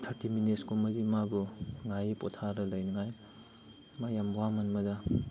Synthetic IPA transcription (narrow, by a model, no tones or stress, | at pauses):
tʰaɾtimineskumɐɡimabuŋajpɔtʰaɾɐlɐjnɯŋaj | majambwamɐnmɐda